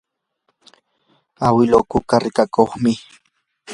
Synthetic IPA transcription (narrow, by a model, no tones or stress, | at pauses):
awɪlokʊkaɾɪkakoχmɪ